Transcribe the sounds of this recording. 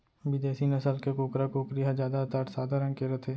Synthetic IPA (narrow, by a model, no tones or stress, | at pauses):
bɪd̪eːsinɐsəlkekoːkɾakoːkɾijɦad͡ʒjaːd̪at̪aʈsaːd̪ʱaɾə̃ŋkeɾət̪ʰeː